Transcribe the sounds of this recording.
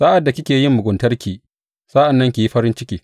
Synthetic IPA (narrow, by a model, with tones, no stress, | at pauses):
saː˦ʔa˨dːa˨kʲɪ˦kʲeː˨jɪ˦mːʊ˨ɡʷʊ˨ntɐ˦rkʲiː˨ | sa˦ʔa˨nːɐ˦ŋkʲi˨ji˦ɸɐ˦ɾɪ˦nt͡ʃɪ˦kʲiː˨